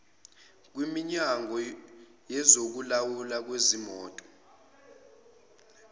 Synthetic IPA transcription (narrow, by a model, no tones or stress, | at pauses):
k̬wimiɲaŋʱɔ | jɛzok̬ulawulak̬wezimɔːtʼɔ̥